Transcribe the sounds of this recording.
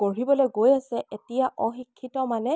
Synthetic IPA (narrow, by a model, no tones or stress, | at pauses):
koɹibɔlojɡojasɛʔetijaʔɔxikʰːitɔmanɛ